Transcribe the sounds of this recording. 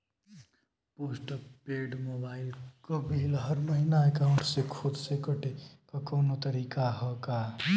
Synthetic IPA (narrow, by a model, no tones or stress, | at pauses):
poːsʈəpeɖmobaːɪlkobʱelɦəɾməɦinaekaʊɳʈsekʰʊd̪sekəʈekakɔːnot̪əɾiːkaɦɔka